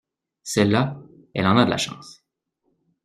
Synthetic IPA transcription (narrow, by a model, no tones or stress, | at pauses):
sɛlːa | ɛ̰lɑ̃nad̪əlʔa̰ʃɑ̰̃s